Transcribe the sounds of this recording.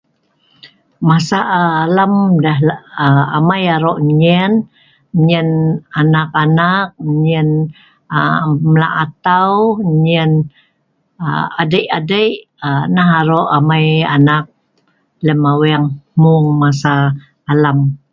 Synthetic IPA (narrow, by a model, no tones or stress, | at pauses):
masaʔːlamdaɦəamajaɾoʔɲən | ɲənanakanak̚ɲən | məla̰ʔat̪awɲən | əadəjʔadəjʔ | ənaɦaɾoʔamaja̰nak̚ | ləmawɛŋmuŋmasaː | lam